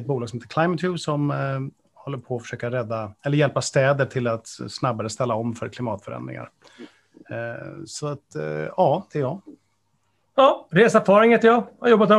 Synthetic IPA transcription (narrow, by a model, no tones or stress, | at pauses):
ɛt̪̚buːlɑɡsɔmheːt̪ə̥ɾkʰlajmət̪ʰjʉːsɔm | hɔlːəɾpʰɔːfœʂøːkaɾɛd̪ːaɛlːəɾjɛlpast̪ɛːd̪əʈʰɪlat̪snabːaɾəst̪ɛlːaɔmːfœɾkʰlɪmɑːt̪fœɾɛ̰nd̪ɾɪ̰ŋa̰ɾ | sɔat̪ɑːd̪̥ɛɾjɑː | jɑːɾeːsafɑːɾɪŋheːt̪ːəɾjɑːhajɔbːat̪ɛ